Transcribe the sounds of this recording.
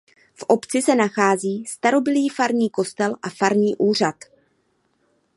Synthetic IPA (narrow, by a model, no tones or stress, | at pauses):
fʔo̞pt͡sɪsɛnaxaːziːst̪aɾo̞bɪliːfaɾɲiːko̞st̪ɛlʔafaɾɲiːʔuːr̝at̪